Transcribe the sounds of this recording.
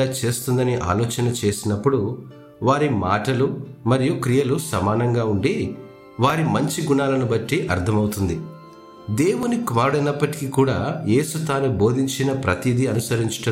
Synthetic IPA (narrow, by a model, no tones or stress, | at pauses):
aːt͡ʃe̞ːst̪und̪ɐniʔa̰ːlɔːt͡ʃɐnɐt͡ʃe̞ːsinɐpːuɽu | ʋaːɾima̰ːʈɐlumɐɾijukɾijɐlusɐmaːnɐŋɡaːuɳɖi | ʋaːɾimɐɲt͡ʃiɡuɳaːlɐnubɐʈːiʔɐɾt̪ʰɐmɐwut̪und̪i | d̪e̞ːwunikʋaːɽɐnɐpːɐʈi̥kikuːɽaːje̞ːsut̪aːnubo̞ːd̪ʱiɲt͡ʃinɐpɾɐt̪id̪iɐnusɐɾiɲt͡ʃu̥ʈɐ